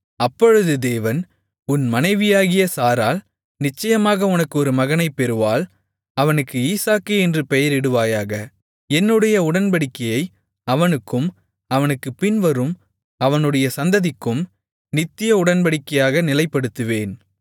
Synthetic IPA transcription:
ɐpːɔɻɯðɯd̪eːʋɐn | ʊnmɐnɐɪʋɪjaːɣɪjɐsaːɾaːl | nɪt͡ʃːɐjɐmaːɣɐʊnɐkːɯɔɾɯmɐɣɐnɐɪpːɛɾɯʋaːl | ɐʋɐnɯkːɯiːsaːkːɯɛndrɯpɛjɐɾɛɽɯʋaːjaːɣɐ | ɛnːɯɽɐjɐʊɽɐnpɐɽɪkːɐjɐɪ | ɐʋɐnɯkːɯm | ɐʋɐnɯkːɯpɪnʋɐɾɯm | ɐʋɐnɯɽɐjɐsɐnd̪ɐðɪkːɯm | nɪt̪ːɪjɐʊɽɐnpɐɽɪkːɐjaːɣɐnɪlɐɪpːɐɽɯt̪ːɯʋeːn

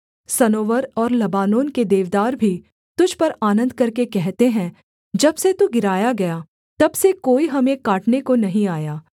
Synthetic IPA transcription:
sɐnoːʋəɾɔːɾlɐbaːnoːnked̪eːʋd̪aːɾbʱi | t̪ʊd͡ʒʱpɐɾaːnə̃nd̪kɐɾkekɛɦt̪eɦɛ̃ | d͡ʒɐbset̪uɡɪɾaːjaɡɐjaː | t̪ɐbsekoːiɦɐmẽkaːʈnekonɐɦĩaːjaː

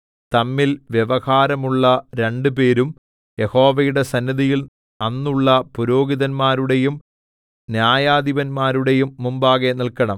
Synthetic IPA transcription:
t̪ɐmːilʋjeʋɐhaːɾɐmuɭːɐɾe̞ɳɖɨpe̞ːɾum | je̞ho̞ːʋɐjuɽe̞sɐnːiðijil | ɐnːuɭːɐpuɾo̞ːɡiðɐnmaːɾuɽe̞jum | njaːjaːd̪iʋɐnmaːɾuɽe̞jumːumbaːɣenilkɐɳɐm

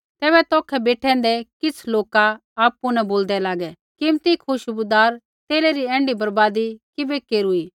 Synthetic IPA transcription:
t̪ɛːbɛt̪ɔːkʰɛbeːʈʰɛ̃ːn̆d̪ɛkɪt͡sʰloːka | aːpːʊnɛboːld̪ɛlaːɡɛ | kɪmt̪ikʰʊʃbʊd̪aːɾ | t̪eːleɾiɛ̃ːɳɖibɐɾbaːd̪ikɪbekeːɾuiː

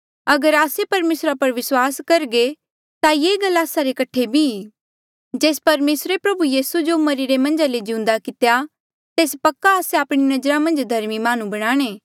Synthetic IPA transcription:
ɐɡəɾaːsepɐɾmeːsɾapɐɾʋɪswaːskɐɾɡe | t̪ajeːɡɐlːaːsaɾekɐʈʰebʱi | d͡ʒeːspɐɾmeːsɾepɾɐbujiːsud͡ʒomɐɾiɾemɐ̃nd͡ʒaled͡ʒɪʊ̃nd̪akɪt̪eja | t̪eːspɐkːaːseaːpɽ̃inɐd͡ʒɾamɐ̃nd͡ʒd̪ʱɐɾmimaːnũbɐɽ̃aːɽ̃eː

